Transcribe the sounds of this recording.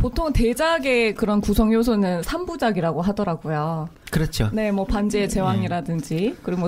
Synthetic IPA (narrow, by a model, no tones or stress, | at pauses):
potʰoŋte̞d͡ʑaɡe̞kɯɾʌnkusʰʌŋjos̬ʰunɯnsʰambud͡ʑaɡiɾaɡoɦadʌɾaɡojo | kɯɾʌt͡ɕʰone̞mwʌpand͡ʑeːt͡ɕe̞waŋiɾadɯnd͡ʑikɯɾiɡo